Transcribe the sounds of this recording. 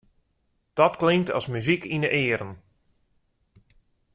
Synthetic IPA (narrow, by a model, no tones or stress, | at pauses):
d̥ɔtklɪŋtɔ̰smyzikinəʔɪːəɾən